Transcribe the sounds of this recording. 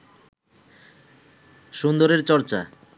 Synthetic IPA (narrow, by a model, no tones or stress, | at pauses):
ʃund̪oɾeɾt͡ɕɔɾt͡ɕa̰